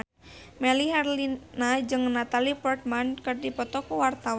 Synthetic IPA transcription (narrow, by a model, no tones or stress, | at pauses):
mɛliɦarlinad͡ʒɨŋnat̪alipɔrt̪̚mankɨrdipɔt̪ɔkɔwart̪aw